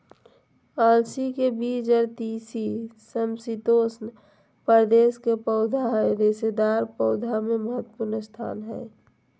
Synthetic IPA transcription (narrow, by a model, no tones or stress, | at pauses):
aːlsikebiːd͡ʒəɾt̪iːsisəmsit̪oːsn | pəɾd̪eːskepəʊd̪ʱaɦɛɾesed̪aːɾpəʊd̪ʱameməɦət̪ːpuɾnəst̪ʰa̰ːnɦɛ̰ː